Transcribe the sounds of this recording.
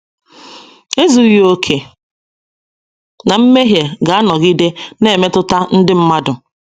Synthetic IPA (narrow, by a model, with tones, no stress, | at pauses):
e˦zu˦jo˦kʰe˨ | na˨m̩˦me˦ɦje˨ɡa˨a˦nɔ˨ɣi˦de˦ne˦˨me˦tʊ˦ta˦n̩˦dɪ˦m̩˦ma˦dʊ˨